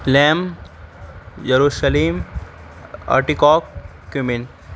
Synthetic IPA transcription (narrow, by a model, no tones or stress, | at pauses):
lɛːm | jɐɾuʃəleːm | a̰ʈikɔːkː | umɪn